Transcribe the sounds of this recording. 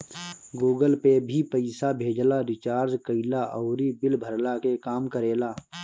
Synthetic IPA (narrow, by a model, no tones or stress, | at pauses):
ɡuːɡəlpebʱipəɪsabʱeːd͡ʒlaɾɪt͡ʃaːɾzkəɪlaʔɔːɾiːbɪlbʱəɾlaːkekaːmkəɾeːlaː